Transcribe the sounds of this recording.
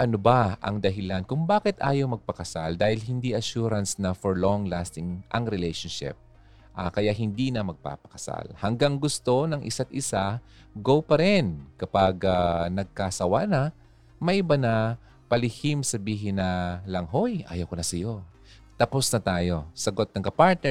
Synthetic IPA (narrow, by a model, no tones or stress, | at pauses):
ʔɐnobɐɐ̰ŋd̪ɐɦɪlankʊŋbaːkɪt̪ʔa̰ːjɐwmɐɡ̚pɐkɐsald̪aːhɪlɦɪnd̪iʔɐʃuːɾɐnsnɐfoɹloŋlast̪ɪŋʔɐŋɾɪlɛjʃonʃɪ̰p̚ | ʔɐkɐjaʔɦɪnd̪inɐmɐɡ̚pa̰ːpɐ̥kɐ̥sa̰lhɐŋɡaŋɡʊst̪o̞nɐŋʔɪ̰sat̪̚ʔɪsa | ɡowpɐɾɛnkɐpaɡanɐɡ̚kasɐwa̰nɐ | mɐʔɪbanɐ | pɐlɪhimsɐbiːɦɪnːɐlɐŋɦojʔa̰ːjɐwkonɐsɐjo̞ | t̪ɐposnɐt̪aːjo̞sɐɡot̪̚nɐŋkɐpaɹt̪̚nɛ